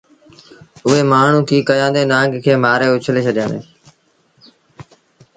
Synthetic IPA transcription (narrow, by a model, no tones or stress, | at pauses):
ʊɦeːmaːɳ̤ũːkʰiːkəjãːnd̪eːnãːŋɡkʰeːmaːɾeːʊt͡ʃʰleːt͡ʃʰəɗjãːnd̪ḛː